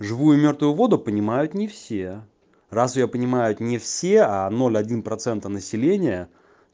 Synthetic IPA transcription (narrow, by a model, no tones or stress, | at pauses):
ʐɨvujʊmʲo̞rt̪vʊjʊvo̞d̪ʊpənʲɪmajʊt̪nʲɪfsʲe | rasjopənʲɪmajʊt̪nʲɪfsʲe̞ano̞lʲɐdʲinpɾɐt̪sɛnt̪ənəsʲɪlʲenʲɪjə